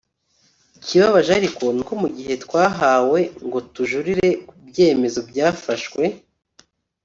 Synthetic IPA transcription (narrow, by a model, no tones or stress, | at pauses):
ikʰiβaβaʒaɾikoniko̞muɡiɦe̞tkwaːɦawe̞ŋɡo̞tuʒuɾiɾe̞kubɟe̞ːme̞zo̞bjaːfaʃkwe̞